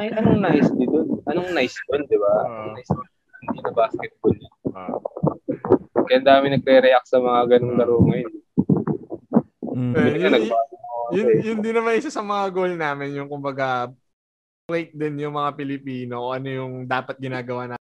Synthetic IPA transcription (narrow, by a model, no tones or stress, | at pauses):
ɐj̪ɐnoŋnajsd̪ɪd̪onʔɐnoŋnajsd̪ond̪ɪbaʔ̪ajsjon | hɪnd̪inɐbaːskɛt̪̚bolɲono | kɐjʔɐnd̪aːmɪnɐɡ̚ɾɛɾɛʔak̚sɐmɐŋaɡɐnoŋlɐɾoːŋɐjn | ɛkɐnɐɡ̚baːɡʊnɐjɪjʊnd̪ɪnɐmanʔɪsasɐmɐŋaɡolnaːmɪnjʊŋkʊmbɐɡa | bwejt̪̚d̪ɪnjʊŋmɐŋapɪlɪpiːno̞ʔoːʔɐno̞jʊŋd̪aːpɐt̪̚ɡɪnaːɡɐwaːna